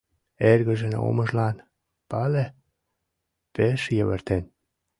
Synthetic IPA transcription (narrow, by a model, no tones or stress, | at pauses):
erɣə̆ʒĕno̰məʒlɑn | pɑle | peʃjəβə̰rt̪en